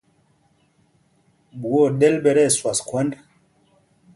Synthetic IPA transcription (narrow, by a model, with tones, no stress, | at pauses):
ɓu˨o˦˨ɗɛ˦lɓɛ˨ɾɛ˦˨swa˨skwɛ˦nd